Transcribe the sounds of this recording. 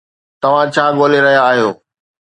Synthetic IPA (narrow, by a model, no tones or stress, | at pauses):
t̪ɐʋ̤ãt͡ɕʰaːɠoːleɾɐɦijaːɦijoː